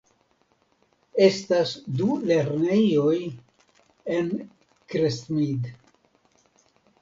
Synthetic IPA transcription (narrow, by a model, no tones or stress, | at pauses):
estasdule̞ɾne̞jo̞j | en | kɾesmid̪